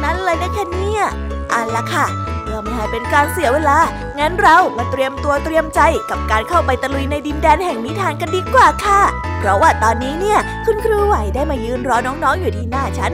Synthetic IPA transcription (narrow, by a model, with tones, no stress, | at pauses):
na˦˥n˨lɤː˧jna˦˥kʰa˥˩ni˥˩ɐ | ʔa˨˧nla˧˥kʰa˥˩ | mɯ˧˩ma˧nha˨˩jpe˧nkaː˧nsi˨˩˦ɐweː˧laː˧ | ŋaː˦˥nɾa˧wma˧nt̪ɾi˧əmt̪u˧ət̪ɾi˧əmt͡ɕa˧jka˨˩p̚kaː˧nkʰa˥˩wpa˧jt̪a˧lu˧jna˧jdi˧ndɛː˧nhɛ˨˩ŋniː˦˥t̪ʰaː˧nka˧ndiː˧kwaː˨˩kʰa˥˩ | pʰɾɔ˦˥waː˥˩t̪ɔː˧nːiː˦˥ni˥˩ɐ | kʰu˧nkʰɾuː˧wa˨˩jdaː˥˩jmaː˧jɯː˧˩nɾɔː˦˥nɔː˦˥ŋnɔː˦˥ŋjuː˨˩t̪ʰiː˥˩naː˥˩t͡ɕʰa˦˥n